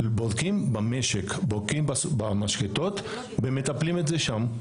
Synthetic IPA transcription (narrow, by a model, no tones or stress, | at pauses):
bod̪kimbame̞ʃekbodkimbasbamaʃket̪o̞t̪ | bemet̪aplimet̪zeʃam